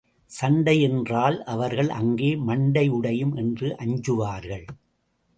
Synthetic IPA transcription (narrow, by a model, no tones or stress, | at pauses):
sɐɳɖɐɪjɛndraːlʔɐʋɐɾɣɐɭʔɐŋɡeːmɐɳɖɐɪɯɽɐjɯmʔɛndrɯʔɐɲd͡ʒɯʋaːɾɣɐɭ